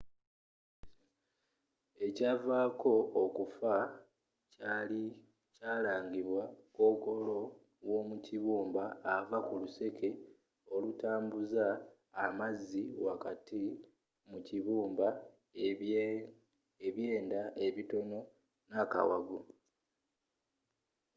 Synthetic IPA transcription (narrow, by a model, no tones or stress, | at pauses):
e̞cavaːko̞ːkufa | cali | caːlaːɲɡiβwako̞ːko̞lo̞ | wo̞ːmuciβuːmbaːvakuluse̞kʰe̞ | o̞lutaːmbuzaː | mazːiwakati | muciβuːmba | eβje̞ːndaʔe̞βito̞no̞ | naka̰wa̰ɡu